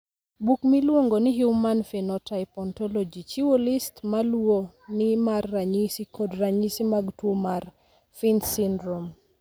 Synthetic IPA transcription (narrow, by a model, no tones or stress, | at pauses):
bukmilwoŋɡonɪɦjumanfɛnɔtajpɔntɔlɔd͡ʒit͡ʃiwolistmalwo | nɪmarːaɲisikɔdraɲisimaɡtwomar | finsindɾom